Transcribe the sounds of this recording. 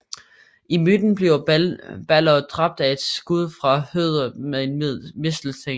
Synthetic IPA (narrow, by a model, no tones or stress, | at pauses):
ʔimyd̥n̩b̥liʊb̥ælɐd̥ʁɑ̈b̥̚d̥æe̝d̥sɡ̥uð̞ˠfʁɑ̈høð̞ˠɐmeðˠenmesd̥l̩se